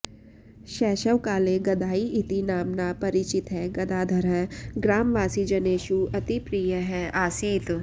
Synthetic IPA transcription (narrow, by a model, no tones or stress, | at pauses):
ʃɛːʃəʋkaːleɡɐd̪ʱaːiɪt̪inaːmnapɐɾɪt͡ʃɪt̪ɦɛɡɐd̪aːd̪ʱɐɾɦɛ̃ɡɾaːmʋaːsid͡ʒɐneːʃuɐt̪ipɾijəɦɛaːsiːt̪